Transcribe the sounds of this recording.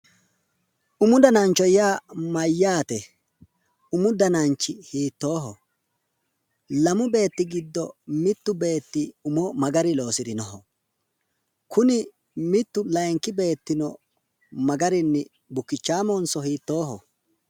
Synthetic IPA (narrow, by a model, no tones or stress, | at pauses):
ʔʊmʊd̪ɐnant͡ʃːɔjaːmɐjːaːt̪ɛ | ʊmʊd̪ɐnant͡ʃːɪhiːt̪ːo̞ːɦɔ | lɐmʊbe̞ːt̪ːɪɡɪd̪ːɔmɪt̪ːʊbe̞ːt̪ːɪʊmɔmɐɡɐɾɪlo̞ːsɪd̪ɪnɔɦɔ | kʊnɪ | mɪt̪ːʊlɐjŋkːɪbe̞ːt̪ːɪnɔ | mɐɡɐɾɪnːɪ | bʊkːɪt͡ʃːaːmɔnsɔhiːt̪ːo̞ːɦɔ̰